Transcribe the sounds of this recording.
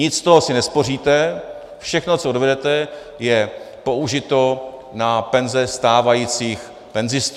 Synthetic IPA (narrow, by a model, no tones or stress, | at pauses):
ɲɪt͡sːt̪oɦosɪnɛspo̞r̝iːt̪ɛ | fʃɛxnot͡soodvɛdɛt̪ɛ | jɛ | po̞uʒɪt̪o̞napɛnzɛst̪aːvajiːt͡siːx | pɛnzɪst̪